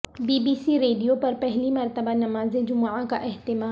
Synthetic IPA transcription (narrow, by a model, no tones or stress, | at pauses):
biːbiːsiɾeːɖijopɐɾpɛɦlimɐɾt̪əbanɐmaːzẽd͡ʒʊmʕãkaʔɪɦt̪ɪmaː